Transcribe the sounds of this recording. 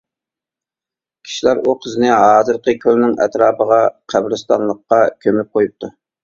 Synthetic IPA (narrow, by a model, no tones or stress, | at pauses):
kʲʰi̥ʃilæɾuqʰəzɪnɪɦɑːzɨɾqʰəkʲʰølnɪŋɛ̰t̪ɾɑːpəʁɑqʰæbɾɨst̪ɑ̰nlˠəqːɑkʲʰømyp̚qʰojup̚t̪ʰu